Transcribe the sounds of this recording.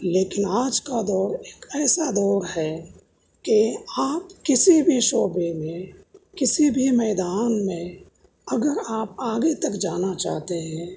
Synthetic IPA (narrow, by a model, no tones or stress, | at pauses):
leːkɪnaːd͡ʒkad̪ɔːɾeːkɛːsad̪ɔːɾɦɛ | keaːpkɪsibʱiʃoːbemẽkɪsibʱimɛːd̪aːnmẽ | ɐɡəɾaːp̚aːɡet̪ɐkd͡ʒaːnat͡ʃa̰ːɦt̪eɦɛ̃ː